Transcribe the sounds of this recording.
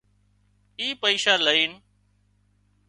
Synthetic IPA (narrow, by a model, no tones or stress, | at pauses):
iːpəiːʃaːləiːn